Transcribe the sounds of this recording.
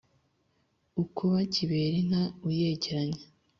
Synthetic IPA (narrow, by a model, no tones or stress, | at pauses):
ukʰoβaciβe̞ːɾiŋ̥hauje̞ːɟeɾaɲe